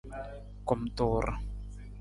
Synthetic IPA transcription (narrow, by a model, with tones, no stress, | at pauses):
kɔ˨mtɔː˨ɾa̰˨